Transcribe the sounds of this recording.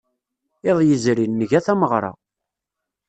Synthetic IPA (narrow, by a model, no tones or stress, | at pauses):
eðˤjəzɾinːəʝæθæməʁɾˤɑ̰